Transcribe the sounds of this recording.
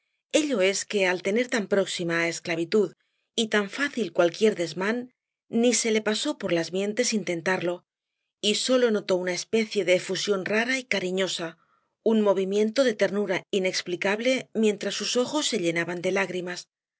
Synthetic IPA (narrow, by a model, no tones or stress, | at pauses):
e̞ʎo̞e̞ske̞alt̪e̞ne̞ɾt̪ampɾo̞ksimaːe̞sklaβ̞it̪uð | it̪aɱfaθilkwalkje̞ɾðe̞zmanː | ise̞le̞paso̞po̞ɾlazmje̞nt̪e̞sint̪e̞nt̪aɾlo̞ | iso̞lo̞no̞t̪o̞unae̞spe̞θje̞ðe̞ːfusjo̞nraɾaikaɾiɲo̞sa | unmo̞β̞imje̞nt̪o̞ðe̞t̪e̞ɾnuɾaine̞ksplikaβle̞mje̞nt̪ɾasːuso̞xo̞sːe̞ʎe̞naβand̪e̞laɣɾimas